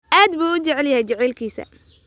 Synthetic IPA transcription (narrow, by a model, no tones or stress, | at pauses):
ʔaːd̪buːʊt͡ʃɐʕɛljɐhɛjt͡ʃɛʕɛːlkʰiːsɐ̰